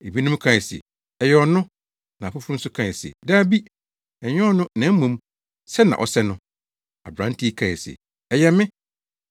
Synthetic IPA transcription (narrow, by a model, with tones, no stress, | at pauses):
e˨bi˦nʊ̃˦m˦kʰã˨ɛ˨sɛ̰˨ | ɛ˨jɛ˨ɔ˨nʊ̃˦ | nã˨fʊ˦fʊ˦ɾʊ̃˦n̩˦sʊ˦kʰã˨ɛ˨sɛ̰˨daː˦bi˦ | ɛ˨ɲᶣɔ̃˦ɔ˦nʊ̃˦nã˨˦mũ˨m | sɛ˦nã̰˨ʔɔ˨sɛ˦nʊ̃˦ | a̰˨bɾã˨˦n˦tʰi˦i˦kʰã˨ɛ˨sɛ̰˨ | ɛ˨jɛ˨mɪ̃˦